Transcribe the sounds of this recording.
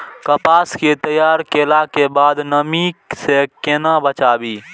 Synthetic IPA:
kəpaːsket̪əjaːɾkelakebaːd̪nəmisekeːnãbət͡ʃaːbiː

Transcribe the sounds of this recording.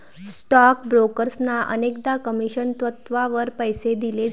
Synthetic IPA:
sʈɔkbɾokəɾsnaʔə̰nekd̪akəmiɕənt̪ʋət̪ʋaʋəɾpəjsed̪ile

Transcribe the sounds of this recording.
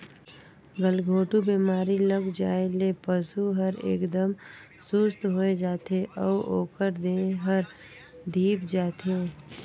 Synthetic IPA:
ɡəlɡʱoːʈubiːmaːɾiləɡd͡ʒaːelepəsuɦɐɾḛːkd̪əm | sʊst̪ɦoːed͡ʒaːt̪eʔɔːoːkəɾd̪eɦəɾ | d̪ʱiːpd͡ʒaːt̪eː

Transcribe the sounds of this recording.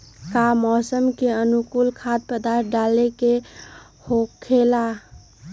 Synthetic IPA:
kamɔsəmkeənukulkʰad̪̚pəd̪aɾt̪̚ʰɖaleke | hokʰːela

